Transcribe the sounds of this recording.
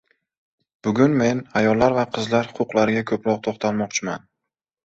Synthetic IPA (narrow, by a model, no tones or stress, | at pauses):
b̥ʊɡʲʊnme̞najɒlːaɾvaqʰɨzlaɾhʊ̥qʊqlaɾɪɡʲakʰɵpɾɒq̚t̪ʰoχt̪ʰalmɒqt͡ʃʰɪma̰n